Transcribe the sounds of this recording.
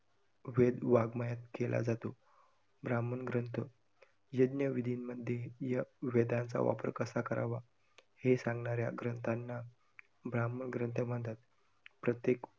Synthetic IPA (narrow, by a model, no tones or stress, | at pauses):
ʋed̪ʋaɡmajat̪kelʔa̰d͡zat̪o | bɾamənɡɾənt̪ʰə | jəd̪njəʋid̪ʱinməd̪ʱjejaʋed̪ãnt͡sa̰ʋa̰pəɾkəsakəɾaʋa | hesãŋɡnaɾjaɡɾənt̪ʰanːa | bɾamənɡɾənt̪ʰəm̤əɳt̪at̪̚ | pɾət̪jek